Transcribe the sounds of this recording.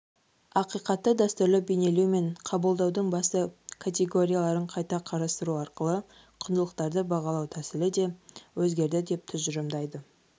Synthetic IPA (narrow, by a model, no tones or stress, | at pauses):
ɑqijqɑt̪ːəd̪ɑst̪ʊɾlɪbene̞luwme̞ɴqʰɑbəlˠd̪ɑwd̪əɴbɑsəkʰat̪ʲe̞ɡo̞ɾʲijalˠɑɾəɴqʰɑjt̪ɑqʰɑɾɑst̪əɾuɑɾqəlˠə | qʰʊnd̪əlˠəq̚t̪ɑɾd̪əbɑʁɑlˠɑwt̪ʰæsɪlɪd̪e̞wɵzɡʲe̞ɾd̪ɪd̪e̞p̚t̪ʰʏzʒʒʏɾɪmd̪ɑjd̪ə